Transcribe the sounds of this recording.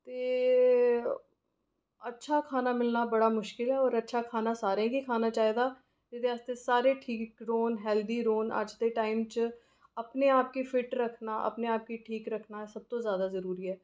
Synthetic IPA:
t̪eː | ətːʃʰaːkʰaːnaːmɪlnaːbəɽaːmʊʃkɪlɦɛːɔːɾətːʃʰakʰaːnaːsaːɾẽɡikʰaːnaːt͡ʃaːed̪aː | d͡ʒɪt̪eəst̪esaːɾeːʈʰiːkɾoːnɦɛːld̪iːɾoːnə̰d͡ʒd̪eːʈaːɪmt͡ʃ | əpneaːp̚kifʰɪʈɾəkʰnaːʔə̰pneaːp̚kiʈʰiːkɾəkʰnaːsəb̚t̪õːzjaːd̪aːzəɾuːɾiːɦɛː

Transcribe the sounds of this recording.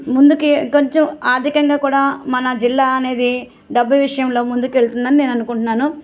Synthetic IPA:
mund̪ukikoɲt͡ʃɐmaːd̪ʱikɐŋɡaːkuːɽaːmɐnɐd͡ʒilːaːɐne̞ːd̪i | ɖɐbːɐjʋiʂɐjɐmloːmund̪ukeɭt̪und̪ɐnineːnɐnukuɳʈunːaːnu

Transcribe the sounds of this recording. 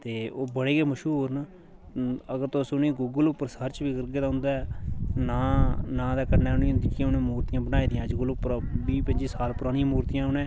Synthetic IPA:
t̪eːoːbəɽeːkeːməʃuːɾn | əɡəɾt̪osʊnĩːɡʊːɡəlʊpːəɾsəɾt͡ʃʋiːkəɾɡeːd̪aːɦʊ̃nd̪aːɛnãːnãːd̪aːkəɾnɛːʊnĩːnd̪iːkiʊnẽːmuːɾt̪ɪjãːbənaːiːd̪ɪjãːəd͡ʒɡəlʊpːəɾbiːpəɲd͡ʒiːsaːlpʊɾaːñĩjːmuːɾt̪ijãːʊnẽː

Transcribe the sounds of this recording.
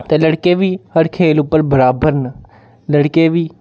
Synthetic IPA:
t̪eːləɽkeːʋiːhəɾkʰeːlʊpːəɾbəɾaːbəɾn | ləɽkeːʋiː

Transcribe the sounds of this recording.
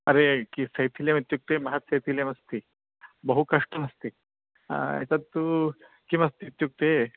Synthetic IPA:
ɐɾekisɐjt̪ʰiljɐmit̪juk̚t̪emɐɦɐt̪sɐjt̪ʰiljɐmɐst̪i | bɐɦukɐʂʈɐmɐst̪ḭ | t͡sɐt̪t̪ːu | kimɐst̪iːt̪juk̚t̪e

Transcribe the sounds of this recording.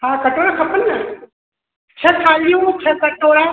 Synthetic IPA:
ɦãːkɐʈoːɽakʰɐpənːa | t͡ʃʰɐkʰaːlijũt͡ʃʰɐkɐʈoːɽaː

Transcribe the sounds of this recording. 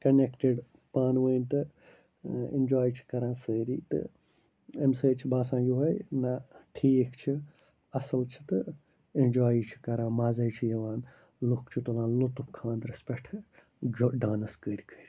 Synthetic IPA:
kɐnekʈeɖ | paːnʋəːnt̪ɨ | ḛnd͡ʒaːjt͡ʃʰi̥kɐɾãːsəːɾiːt̪ɨ̰ | emsəːt͡ʃʰibaːsãːjuɦɐjnaʈʰiːkʰt͡ʃʰi | ɐsɐlt͡ʃʰi̥t̪ɨ | ind͡ʒaːjit͡ʃʰi̥kɐɾãːmaːzɐjt͡ʃʰijɐʋaːn | lukt͡ʃʰit̪olãːnlot̪up̚kʰãːnd̪ɾɐspeʈʰ | d͡ʒɖaːnɨskəːɾʲkʰəːɾʲ

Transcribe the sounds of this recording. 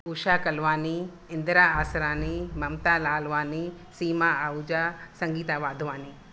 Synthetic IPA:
uʃaːkɐlʋaːni | ɪnd̪ɾaːaːsɾaːnimɐmt̪aːlaːlʋaːni | siːmaːaud͡ʒaːsɐŋɡiːt̪aːʋaːd̪ʱʋaːni

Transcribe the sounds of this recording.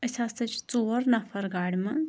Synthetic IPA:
ɐsasɐt͡ʃʰt͡soːɾnɐfʰɐɾɡaːɽʲmɐ

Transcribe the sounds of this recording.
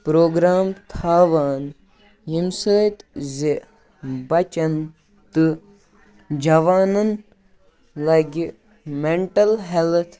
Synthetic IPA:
pɾoːɡɾaːmt̪ʰaːʋaːn | jimsəːjt̪ze | bɐt͡ʃɐn | t̪ɨ | d͡ʒɐʋaːnɐn | lɐjɡ | meɳʈɐlɦelt̪ʰ

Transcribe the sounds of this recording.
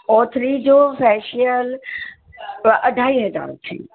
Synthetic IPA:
ɔːt̪ʰɾid͡ʑoːfɛːʃijəl | ʔɐɖʱaːiɦəd͡ʒa̰ːɾt̪ʰḭː

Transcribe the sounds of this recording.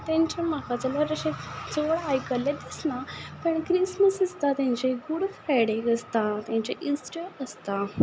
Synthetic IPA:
t̪jãɲt͡ɕamakat͡səlaɾəɕed͡zoɭajkəlːad̪isnapəɳkɾisməsəst̪at̪jãɲt͡ɕeɡuɽfajɽeɡəst̪at̪jãɲt͡ɕeʔisʈəəst̪a

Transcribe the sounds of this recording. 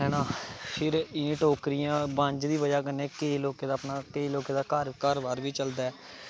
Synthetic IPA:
ɛːnãːpʰɪɾɪnĩːʈoːkɾɪjãːbãɲd͡ʒd̪iːbəd͡ʒaːkənẽːkeiloːkeːd̪aːpnaːkeiloːkeːd̪aːkəɾkəɾʋaːɾʋiːt͡ʃəld̪aːɛː

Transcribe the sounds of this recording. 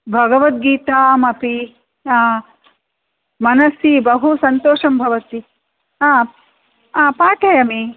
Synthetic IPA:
bʱɐɡɐʋɐt̪̚ɡiːt̪aːmɐpi | aː | mɐnɐsjibɐɦusɐnt̪oːʂɐmbʱɐʋɐt̪i | a | aːpaːʈʰɐjɐmi

